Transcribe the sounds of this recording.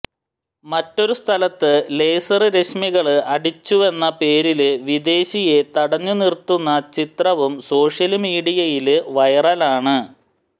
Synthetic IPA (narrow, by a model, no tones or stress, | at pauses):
mɐtːo̞ɾust̪ʰɐlɐt̪ːɨle̞ːsɐrɨɾe̞ɕmiɣɐɭɨɐɽit͡ɕːuʋe̞nːɐpe̞ːɾilɨʋid̪e̞ːɕije̞t̪ɐɽɐɲːunirt̪ːunːɐt͡ɕit̪rɐʋumso̞ːʂjɐlmiːɽijɐjilʋɐjɐrɐlaːɳɨ